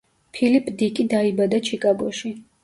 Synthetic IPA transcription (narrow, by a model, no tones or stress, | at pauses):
pʰilipʰʼd̪ikʼid̪aibad̪at͡ʃʰikʼaɡɔʃi